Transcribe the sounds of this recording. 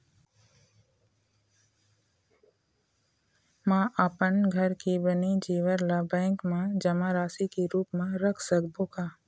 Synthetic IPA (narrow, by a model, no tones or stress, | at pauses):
mãʔapənɡʱəɾkibənid͡ʒiːʋəɾlabɛ̃ːŋkmãd͡ʒəmaɾaːsikiɾuːpmẽɾəkʰsəkbʱokaː